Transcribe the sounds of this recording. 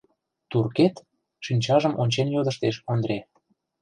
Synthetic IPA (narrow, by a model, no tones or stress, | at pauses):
t̪urket̪ | ʃynʲt͡ɕɑʒə̆mʔonʲt͡ɕenjod̪ə̆ʃt̪eʃond̪ɾe